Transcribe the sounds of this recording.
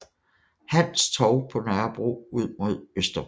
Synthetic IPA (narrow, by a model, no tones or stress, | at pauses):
hæn̰st͡sʰɒʊpʰɒ̽næɐb̥ʁo̝ːuð̞̰ˠmo̝ð̞̰ˠøsd̥ɐ